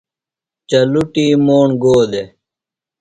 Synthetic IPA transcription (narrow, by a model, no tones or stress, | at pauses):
t͡ɕɐluʈiːmoːɳɡoːd̪e